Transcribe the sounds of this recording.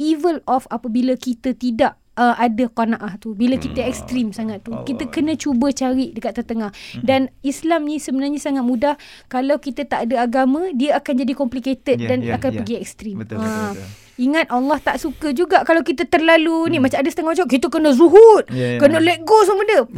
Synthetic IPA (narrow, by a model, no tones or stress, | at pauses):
ivəlɔfapabilakit̪ət̪idaʔ | əʔadakonaʔaht̪ubilakit̪əɛkst̪ɾimsaŋat̪ːukit̪əkənə̃t͡ʃubət͡ʃaɾiʔdəkat̪ːat̪əŋahdanislamnĩsəbənarɲasaŋat̪̚mũdah | kalawkit̪ət̪aʔadaaɡamə̃diəakand͡ʒadikɔmpliket̪ət̪̚danakanpəɡiɛk̚st̪ɾima | iŋat̪̚alːɑht̪aʔsukəd͡ʒuɡaʔkalawkit̪ət̪ərlalunimat͡ʃamadəsət̪əŋahmat͡ʃãkit̪əkənəzuɦut̪̚kənələʔɡosəmədə